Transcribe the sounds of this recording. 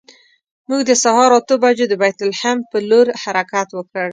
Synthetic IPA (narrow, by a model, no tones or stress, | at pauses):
muɡd̪əsahɑɾɑt̪obad͡ʒed̪əbajt̪ʊlhampəloɾhaɾakat̪wəkəɽ